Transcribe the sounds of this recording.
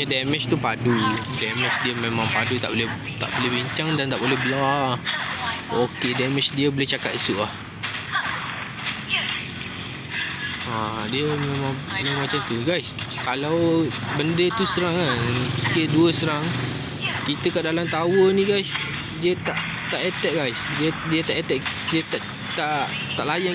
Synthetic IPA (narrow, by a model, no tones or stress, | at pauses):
ədɛmɪt͡ʃt̪upadudɛmɪt͡ʃdiəmẽmãŋpadut̪a̰ʔbolɛ | t̪a̰ʔbolɛhbiɲt͡ʃaŋdant̪aʔbolɛɦbəla | okedɛmɪt͡ʃdiəbolɛht͡ʃakat̪isuʔlah | adiəmẽmãŋmẽmat͡ʃamt̪uɡajskalawbəndət̪ust̪əɾaŋaikəʔduəst̪əɾaŋ | kit̪əkaʔdalamt̪awənĩɡajs | diət̪aʔt̪aʔet̪ɛʔ̚ɡajsdiədiət̪aʔet̪ɛʔ | diət̪aʔ | t̪aʔ | t̪aʔlaja